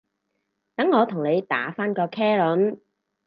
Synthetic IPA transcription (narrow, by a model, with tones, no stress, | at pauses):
t̪ɐ˨˥ŋːɔː˨˧t̪ʰʊ˨˩ŋne˨˧jt̪a̰ː˨˥faː˥nkɔː˧kʰɛː˥lʊ˨˥n